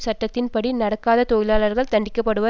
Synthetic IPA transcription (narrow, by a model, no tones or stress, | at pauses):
sɐʈːɐt̪ːɪnpɐɽinɐɽɐkːaːðɐt̪ojɪlaːlɐɾɣɐɭt̪ɐɳɖɪkːɐpːɐɽɯʋɐ